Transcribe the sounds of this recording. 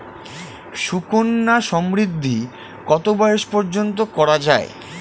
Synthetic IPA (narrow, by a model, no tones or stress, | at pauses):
ʃukonːaʃɔmɾid̪ʱːi | kɔt̪obɔeeʃpɔɾd͡ʑont̪̬okɔɾad͡ʑaḛ